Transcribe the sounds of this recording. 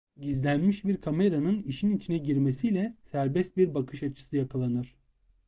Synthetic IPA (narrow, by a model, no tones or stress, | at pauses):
ɟizlʲænmiʃbiɾkʰame̞ɾanɯniʃinit͡ʃʰinɛɟiɾmesilʲɛsæɾbɛst̪̚biɾbakʰɯʃat͡ʃʰɯ̥sɯjakʰalˠanɯɾ̥